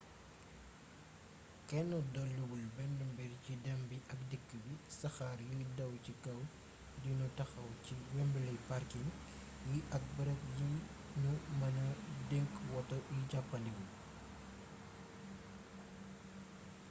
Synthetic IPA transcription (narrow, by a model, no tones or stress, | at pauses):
kɛnɔdɔlːubulbɛndumbɛrcidɛmbiʔɐkdikːəbisɐxaːɾjidɐwcikɐw | dinɔtɐxɐwciwɛmbəlɐjparkiŋ | jiʔɐk̚bəɾɛkjin | numɐnɐdɛŋkwɔtɔiɟapːɐlibul